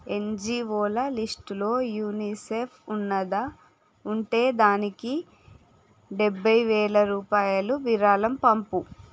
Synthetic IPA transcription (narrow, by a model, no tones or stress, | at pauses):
e̞nd͡ʒiːoːlɐlisʈulo̞ːjuːniːsepʰunːɐd̪ɐ | uɳʈe̞ːd̪aːniki | ɖebʱːɐjʋɛːlɐɾuːpaːjɐluʋiɾaːlɐmpɐmpu